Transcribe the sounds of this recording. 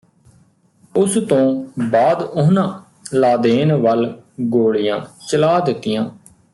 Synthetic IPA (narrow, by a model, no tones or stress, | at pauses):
ʊst̪õːbaːd̪ʊɦnãː | laːd̪eːnʋəlɡoːɽijã̰ːt͡ʃəlaːd̪ɪt̪ːɪjãː